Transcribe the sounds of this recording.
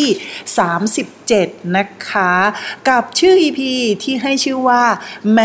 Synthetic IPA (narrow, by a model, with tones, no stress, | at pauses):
saː˩˦msi˨˩p̚t͡ɕe˨˩t̪̚na˦˥kʰa˦˥ka˨˩p̚t͡ɕʰɯː˥˩ʔiː˧pʰiː˧t̪ʰiː˥˩ɦa˥˩jt͡ɕʰɯː˥˩waː˥˩mɛ˦